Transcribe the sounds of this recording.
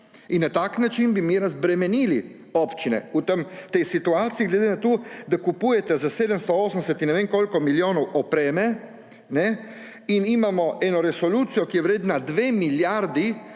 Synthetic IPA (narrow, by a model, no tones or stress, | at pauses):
inːat̪aknat͡ʃinbimiɾazbɾɛmɛniːli | opt͡ʃinɛ̰ut̪əmt̪ɛjsit̪uaːt̪sijiɡlɛd̪enat̪od̪akupuːjɛt̪ɛzaseːd̪əmst̪ɔoːsənsɛt̪inːɛʋeːŋkolkɔmiljoːnɔwɔpɾɛːmɛ | nɛ | inimamɔɛːnɔɾɛsɔluːt̪sijɔkijɛʋɾeːd̪nad̪ʋeːmiljaɾd̪i